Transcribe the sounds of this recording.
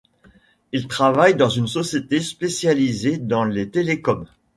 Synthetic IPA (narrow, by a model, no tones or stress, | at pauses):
ilt̪χavajd̪ɑ̃zynsɔsjet̪espesjalized̪ɑ̃let̪elekɔm